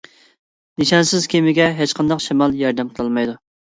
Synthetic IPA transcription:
niʃɑnsɪzkʲʰemɪɡʲɛɦet͡ʃqʰɑnd̪ɑqʃimɑlˠjɑɾd̪ɛmqʰəlˠɨlˠmɑjd̪u

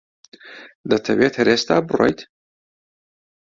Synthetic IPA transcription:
d̪ɐt̪ʰɐweːt̪hɾeːst̪a̰ːbɨro̰jt̪

